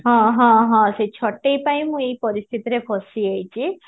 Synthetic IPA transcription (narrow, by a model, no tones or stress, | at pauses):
ɦɔ̃ɦɔ̃ɦɔ̃set͡ʃʰɔʈːejpaĩmũejpɔɾist̪ʰit̪iɾepʰɔsiejt͡ʃʰi